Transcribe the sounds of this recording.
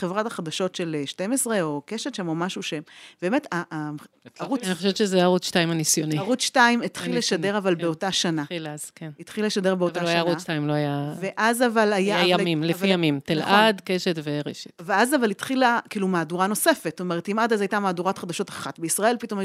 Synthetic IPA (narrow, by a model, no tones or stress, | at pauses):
χevʁataχadaʃo̞tʃe̞leʃtemesʁeo̞keʃetʃemomaʃuʃeb̥e̞ːmeta | aʁunniχoʃevett͡ʃezeajaʁut͡sʃtaimanisjoniʁutʃtaimit̪χilːeʃade̞ʁavalbeotaʃanaazkenit̪χileʃade̞ʁbeovtalajaʁuʃtaimloajave̞ʔazavalajaajamimlevfvijamimt̪elʔadkeʃetveʁeʃe̥tveazavalit̪χilakiːlumaːduʁano̞se̞fetstome̞ʁetimadazajtamaːduʁatχad̪aʃo̞taχatbeisʁae̞lpito̞ma